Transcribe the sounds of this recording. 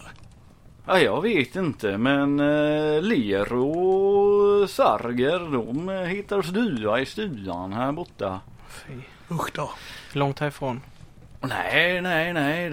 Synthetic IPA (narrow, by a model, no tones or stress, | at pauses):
ajɑːɡveːt̪ɪnt̪ʰəmɛnleːɾʊ | sa̰ɾɡəɾd̪ɔmhɪt̪ːasd̪ʉ̟ːaɪst̪ʉːa̰nhæːɾbɔt̪ːa | fiː | ɵxtd̪ɔhlɔŋt̪ʰːɑːɾɪfɾoːn | nɛ̰nɛɪnɛ